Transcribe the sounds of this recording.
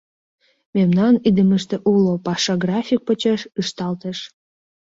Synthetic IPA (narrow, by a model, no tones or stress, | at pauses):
memnɑnid̪əməʃt̪eʔulopɑʃɑɡrɑfʲik̚pət͡ɕeʃɯʃt̪ɑlt̪əʃ